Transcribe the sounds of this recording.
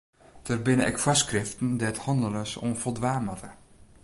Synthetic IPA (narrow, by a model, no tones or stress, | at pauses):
d̥ərbɪnəɛ̰kfaskrɪftən̩dɛthɔndələsɔ̰nfɔlˠdʋaːmətə